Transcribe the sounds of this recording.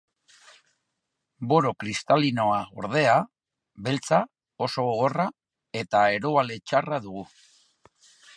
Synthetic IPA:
bo̞ɾo̞kɾist̪alino̞ao̞ɾð̞e̞a | βe̞lt͡sa | o̞so̞ɣo̞ra | e̞t̪ae̞ɾoale̞t͡ʃaraðuɣu

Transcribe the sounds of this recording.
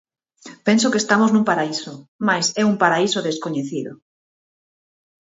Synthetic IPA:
pensokest̪amoznũmpaɾaisomajsɛumpaɾaisoðeskoɲeθiðo̰

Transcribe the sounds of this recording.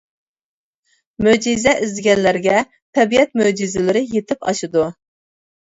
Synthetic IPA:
mød͡ʒizɛʔɪzd̪ɪɡʲɛnlæɾɡʲɛ | t̪ʰɛbiɛt̪̚mød͡ʒizɪlɪɾɪjet̪ɪpɑ̰ʃɨd̪u

